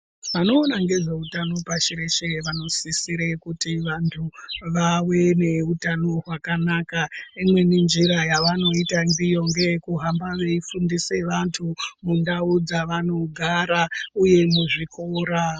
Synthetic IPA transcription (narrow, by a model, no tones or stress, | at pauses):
ʋano̞ːnaŋɡe̞ʐeutano̞paʃiɾe̞ʃeʋano̞sisiɾekutiʋantʰuʋawe̞ne̞utano̞ɦwakanakaimwe̞nind͡ʒiɾajaʋano̞itaŋbijo̞ŋɡe̞kuɦambaʋe̞ifundise̞ʋantʰumundaud͡zaʋano̞ɡʱaɾauje̞muʐikʰoːɾa